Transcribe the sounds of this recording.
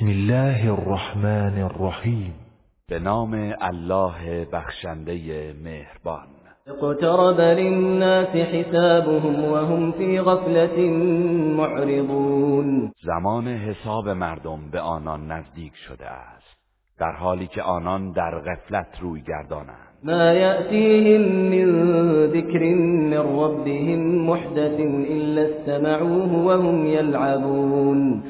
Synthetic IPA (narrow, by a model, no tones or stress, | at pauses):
smɪlːaːɦarˤːɑħmaːnrːɑħiːm | b̥e̞nɒːme̞ælːɒːɦebæxʃænd̪e̞jemeːhɾbɒːn | ɪqt̪ɑɾˤɑbalɪnːaːsɪħɪsaːbʊɦʊmwaɦʊmfiːɣaflat̪ɪmoʕɾɪd̪ˤuːnzæmɒːneɦesɒːbemæɾd̪ombeʔɒːnɒnːæzd̪iːkʰʃo̰d̪ḛæst̪ | d̪̥æ̰ɾhɒːliːcʲʰeʔɒːnɒnd̪æɾɣeflæt̪ʰɾuːjɡæ̰ɾd̪ɒːnæ̰ndd̪maːjaʔt̪iːɦɪmːɪnðɪkɾɪnːɪnˤːɑbːɪɦɪmːʊħd̪aθnʔɪlːast̪amaʕuːɦʊwaɦʊmjalʕabuːn